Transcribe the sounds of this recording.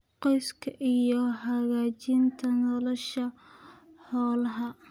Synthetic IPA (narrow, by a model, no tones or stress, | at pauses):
qɔjskʰɐʔijɔɦɐɣaːt͡ʃɪnt̪ʰɐnɔlɔʃɐ | ħɔːlɐɦɐ